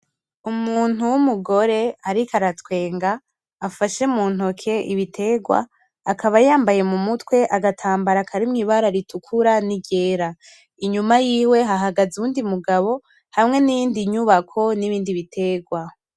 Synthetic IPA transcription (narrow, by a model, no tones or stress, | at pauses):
umuːn̥uwumuɡo̞ɾe̞aɾikʰaɾatwe̞ːŋɡaː | faʃemuːn̥hokʰe̞ʔiβitʰe̞ɡwa̰ː | kʰaβajaːmbaje̞mumutwe̞ʔaɡatʰaːmbaɾakʰaɾimŋiβaɾaɾitukʰuɾaniɟe̞ːɾa | iɲumajiːwe̞ɦaɦaɡazuuːndimuɡaβo̞ | hamŋe̞nijiːndiɲuβakʰo̞niβiːndiβitʰe̞ɡwa